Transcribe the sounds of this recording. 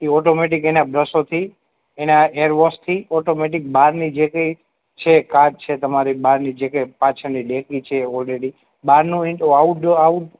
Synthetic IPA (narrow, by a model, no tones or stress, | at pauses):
iɔʈomeʈikenabɾəsot̪ʰi | enaeɾʋɔst̪ʰiɔʈomeʈ̬ik̚baɾnid͡ʒekəj | t͡ʃʰekad͡ʒ̚t͡ʃʰet̪əmaɾibaɾnid͡ʒekəjpãt͡ʃʰəɾnilekit͡ʃʰeɔlɾeɽi | baɾnũiauʈauʈ